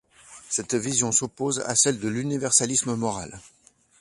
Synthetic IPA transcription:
sɛt̪vizjɔ̃sopoza̰sɛld̪əlynivɛʁsalisməmɔʁa̰l

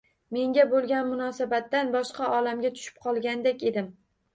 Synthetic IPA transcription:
me̞ŋɡʲabolˠɡʲanmʊnɒsabat̪ːanbɒʃqɑʔɒlamɡʲat̪ʰʊ̥ʃɪ̥p̚qʰɒlˠɡʲand̪ekʲe̞d̪ɪm

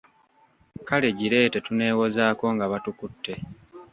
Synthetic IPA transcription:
kale̞ɟiɾe̞ːte̞tune̞ːwo̞zaːko̞ŋɡaβatukutːe̞

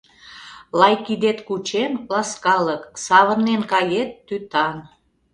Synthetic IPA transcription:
lɑjkid̪et̪kut͡ɕemlɑskɑləksɑβənnenkɑjet̪ːyt̪ɑn

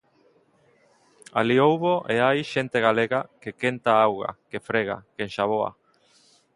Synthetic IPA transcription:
a̰liowβoʔeajʃent̪eɣaleɣakekent̪aawɣa̰kefɾeɣa̰kenʃaβoa̰

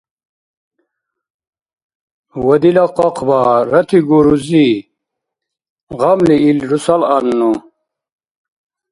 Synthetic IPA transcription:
wɐd̪ilaqoqʰbaɾɐt̪ʰiɡuɾuzi | ʁɐmliilɾusalɐnːu

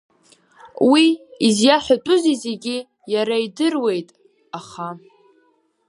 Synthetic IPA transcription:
wiizjaħʷᶣatʼʊzizeɡʲi | jaɾaidɨrwe̞jtʼ | aχa

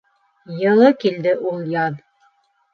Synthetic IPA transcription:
jɤ̆lˠɤkild̪ɘʔulˠjɑn

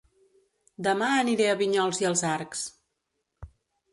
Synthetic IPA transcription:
d̪əmaəniɾeəβiɲɔlˠziəlˠzaɾks

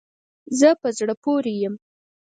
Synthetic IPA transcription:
zəpəzɽəpoɾejəm

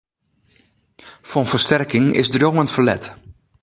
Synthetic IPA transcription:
fɔnvəstɛrkɪŋɪ̰zdrjoŋəntfərlɛ̰t

